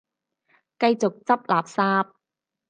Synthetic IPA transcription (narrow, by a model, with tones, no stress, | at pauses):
kɐ˧jt͡so˨k̚t͡sɐ˥p̚laː˨p̚saː˧p̚